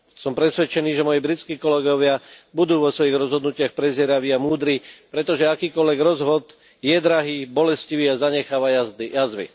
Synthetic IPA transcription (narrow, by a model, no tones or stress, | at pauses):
sɔmpɾɛsʋɛt͡ʃɛniːʒɛmɔjibɾit͡skiːkɔlɛɡɔʋɪabud̪uːʋɔsʋɔjiɣɾɔzɦɔd̪nucɪaxpɾɛzɪɛɾaʋiːamuːd̪ɾiːpɾɛt̪ɔʒɛakiːkɔlʋɛɡɾɔzɦɔd̪ | jɛd̪ɾaɦiːbɔlɛsciʋiːazaɲɛxaːʋajazd̪ijazʋḭ